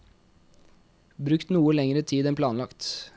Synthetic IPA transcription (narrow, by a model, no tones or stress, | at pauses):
bɾʉkt̪nuːəlɛŋɾət̪ʰiːd̪ɛnplɑːnlɑkt̪